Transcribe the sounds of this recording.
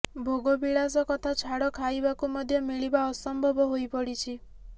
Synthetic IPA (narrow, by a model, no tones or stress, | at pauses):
bʱoɡobiɽas̬ɔkɔt̪ʰat͡ʃʰaɽɔkʰajbakumɔd̪ʱjɔmiɭibaɔsɔmbʱɔbɔɦojpɔɽit͡ʃʰi